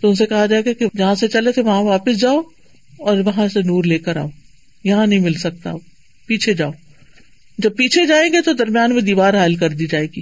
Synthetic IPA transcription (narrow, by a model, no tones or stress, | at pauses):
t̪oʊnsekɐɦad͡ʒaːeɡaked͡ʒɐɦãset͡ʃɐlet̪ʰeʋɐɦãʋaːpəs̬d͡ʒaːo | ɔːɾʋɐɦãsenuːɾleːkəɾa̰ːo | jɐɦãnɐɦĩmɪlsɐk̚t̪a̰ | piːt͡ʃʰed͡ʒaːo | d͡ʒɐb̚piːt͡ʃʰed͡ʒaːẽːŋɡet̪od̪ɐɾmijaːnmẽd̪iːʋaːɾɦaːlkɐɾd̪iːd͡ʒaːeːɡiː